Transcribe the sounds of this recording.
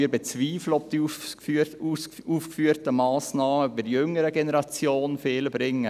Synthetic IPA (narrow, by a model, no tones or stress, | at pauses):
iːɾbet͡sviːfləɔb̚d̥iy | uːfkfyːəɾtəmɑːsnɑːməybəɾdjʏŋəɾəɡenəɾɑt͡sjoːnfeːləbɾɪŋːə